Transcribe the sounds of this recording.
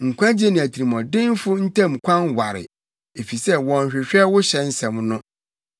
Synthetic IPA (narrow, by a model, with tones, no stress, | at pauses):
ŋ̩˨kʷã˦d͡ʑe˦nɪ̃˨æ˨tʰi˨i˨mɔ̃˨dɪ̃˦n˦fʊ˦n̩˦tʰã˦˨m˨kʷʰã˦nwa˨ɾɪ̰˨ | e˨fi˨sɛ˦wɔ̃˨ɲ˨ɕᶣɪ˨ɕᶣɛ˦wʊ˦ɕɛ˨n̩˦sɛ̃˨mnʊ̃˦